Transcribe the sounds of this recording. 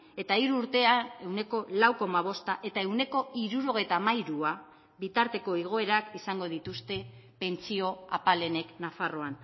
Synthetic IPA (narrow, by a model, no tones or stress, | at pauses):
e̞t̪aiɾuːɾt̪e̞ae̞wne̞ko̞lawko̞maβ̞o̞st̪aʔe̞t̪ae̞wne̞ko̞iɾuɾo̞ɣ̞e̞jt̪amajɾua | βit̪aɾt̪e̞ko̞eɣ̞o̞e̞ɾakisaŋɡo̞ð̞it̪ust̪e̞pe̞nt͡sio̞apale̞ne̞knafaro̞an